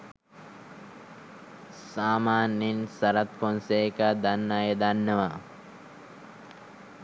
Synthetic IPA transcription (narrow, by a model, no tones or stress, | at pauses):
saːmaːnːinsɐɾat̪fonsekad̪anːajəd̪anːəʋa